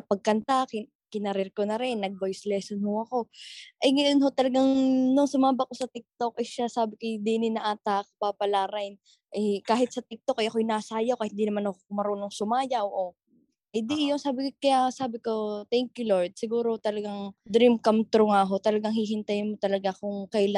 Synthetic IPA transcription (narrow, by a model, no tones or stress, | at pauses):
pɐɡ̚kɐnt̪akɪ | kɪnɐɾɛɾkonɐɾɪnːɐɡ̚bojslɛːsonhoɐko̞ʔɐjŋɐjonɦo̞t̪ɐlɐɡaŋnʊŋsʊmaːbɐkosɐt̪ɛk̚t̪o̞k̚ʔɐʃasaːbɪkɐjd̪iːnɪnɐʔaːt̪ak̚papɐlaːɾajn | ʔɛkaːɦɪt̪sɐt̪ɛk̚t̪o̞kʔɐjʔɐkojnaːsajawkɐhɪnd̪inɐmanhokoʊmɐɾoːnoŋsʊmaːjɐwʔo | hɪnd̪ijonsaːbɪkɐjasaːbɪko̞t̪ɛŋkjuloɹd̪̚sɪɡuːɾot̪ɐlɐɡaŋd̪ɾimkɐmt̪ɾoŋaɦo̞t̪ɐlɐɡaŋhiɦɪnt̪ajnmot̪ɐlɐɡakʊŋkɐjla